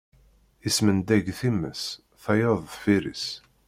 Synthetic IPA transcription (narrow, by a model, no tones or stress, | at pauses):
ismənd̪æɡθimːə̰s | θɑjɑðˤfiɾḭs